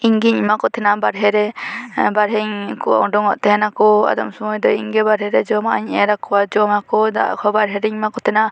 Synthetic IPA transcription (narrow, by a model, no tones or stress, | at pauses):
iɲɡiɲmakɔt̪ʰɛnabaɾɦɛɾɛbaɾɦɛɲkɔa̰ɔɖɔŋɔʔt̪ɛɦɛnakɔa̰d̪ɔmsɔmɔjd̪ɔḭŋɡɛbaɾɦɛɾɛd͡ʒɔmaaɲɛɾakɔwad͡ʒɔmakɔd̪a̰ʔkʰɔbaɾɦɛɾɛɲmakɔt̪ʰɛna